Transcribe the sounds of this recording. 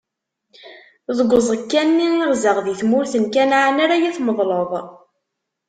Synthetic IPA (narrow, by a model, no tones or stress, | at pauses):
ðəɡʷːəzˤəkːænːinəɾzəʁðiθmʊɾθənkænʕənaɾajæθməðˤləðˤ